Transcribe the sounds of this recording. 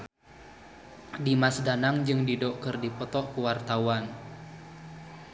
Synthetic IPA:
dimasdanaŋd͡ʒɨŋdidɔkɨrdipɔt̪ɔʔkuwart̪awan

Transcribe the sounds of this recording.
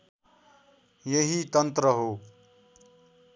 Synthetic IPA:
jeɦit̪ʌnt̪ɾəɦoː

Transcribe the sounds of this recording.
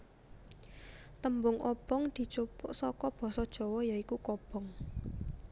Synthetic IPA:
t̪əmbʊŋʔɔb̥ɔŋd̪̥i̤t͡ʃupʊʔsɔkɔb̥ɔ̤sɔd̥ʒ̥ɔ̤wɔjaikukɔb̥ɔ̤ŋ

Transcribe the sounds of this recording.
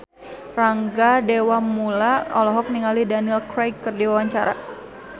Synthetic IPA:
raŋɡadewamulaɔlɔɦɔk̚niŋalidaniɛlkɾajkːərdiwawaɲt͡ʃaɾa̰

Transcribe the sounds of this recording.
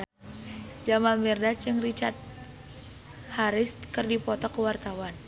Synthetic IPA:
d͡ʒamalmɛrdat͡ʃɨŋrit͡ʃart̪̚ | haɾɪst̪kɨrdipɔt̪ɔkəwart̪awan

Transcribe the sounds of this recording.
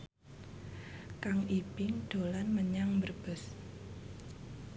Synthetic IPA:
kaŋʔipɪŋɖ̥o̤lanməɲaŋbərb̥ə̤s

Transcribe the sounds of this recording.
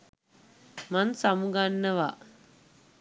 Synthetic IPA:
mansamuɡanːəʋa

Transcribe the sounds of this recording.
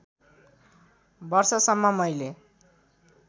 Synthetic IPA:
bʌrsʌsʌmːʌmʌjle

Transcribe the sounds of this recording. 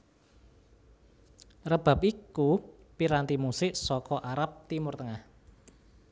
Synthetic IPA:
rəb̥a̤p̚iku | piɾant̪imusɪʔsɔkɔʔaɾap̚t̪imʊrt̪əŋah

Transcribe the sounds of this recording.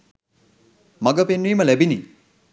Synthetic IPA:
mɐɡɐpenːuijmɐlebini

